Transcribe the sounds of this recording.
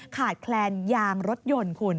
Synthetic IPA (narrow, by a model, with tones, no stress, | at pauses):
kʰaː˨˩t̪̚kʰlɛː˧njaː˧ŋɾo˦˥t̪̚jo˧nkʰu˧n